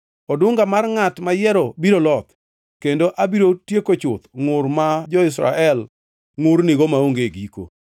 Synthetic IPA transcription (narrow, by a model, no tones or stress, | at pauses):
ɔdʊŋɡamarŋatmajɛɾobiɾolɔt̪ | kendoʔabiɾotjekot͡ʃʊt̪ŋʊɾmad͡ʒɔɪs̬ɾa̰ʔɛl | ŋʊrnɪɡomaoŋɡeɡiko̰